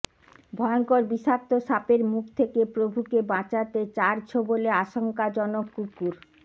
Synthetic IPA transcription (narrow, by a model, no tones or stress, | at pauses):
bʱɔeoŋkoɾbiʃak̚t̪oʃapeɾmukʰt̪ʰekepɾobʱukebãt͡ɕat̪et͡ɕaɾt͡ɕʰoboleaʃoŋkad͡ʑɔnokːukːuɾ